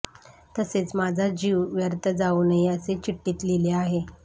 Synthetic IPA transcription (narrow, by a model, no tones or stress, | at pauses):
t̪əset͡smad͡zʱad͡ʑiʋʋjəɾt̪əd͡zaunəjəset͡ɕiʈːiːt̪lileaɦe